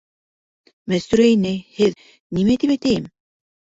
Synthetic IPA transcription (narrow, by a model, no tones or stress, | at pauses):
mæst̪y̆ɾæjnɘhɘð | nimæt̪ipæjt̪æjɘm